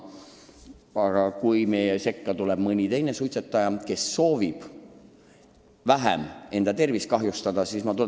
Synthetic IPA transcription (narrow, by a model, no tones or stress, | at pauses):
ɑɡ̥ɑkujme̞jese̞kːɑt̪ulɛb̥mɤnʲit̪e̞jnesujt̪set̪ːˑɑjɑke̞sːo̞ːvib̥ | væɦɛ̰me̞nd̪̥ɑt̪e̞rviskɑɦjust̪ɑd̪̥ɑsismɑt̪u